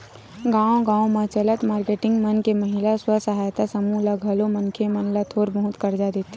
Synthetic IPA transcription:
ɡãːõɡãːõmãt͡ʃələt̪maːɾkeːʈɪ̃ŋɡmənkeməɦɪlaswəsɐɦajt̪asɐmulɐɡʱɐlomɐnkʰemɐnlat̪ʰoːɾbəɦʊt̪kɐɾd͡ʒad̪eːt̪ːe

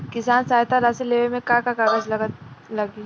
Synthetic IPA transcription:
kɪsaːnsaːjt̪aɾasileːʋemẽkãkakaɡəd͡ʒlɐlɐɡi

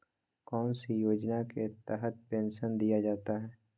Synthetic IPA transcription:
kɔːnsijoːd͡ʒnaket̪ɛɦət̪̚pẽːnʃənd̪ijad͡ʒaːt̪aɦɛː

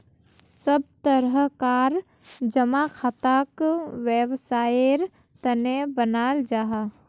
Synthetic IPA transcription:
səb̚t̪əɾəɦkaːɾ | d͡ʒəmakʰaːt̪aːkʋjeʋsaːeɾ | t̪ənebənaːld͡ʒaːɦa

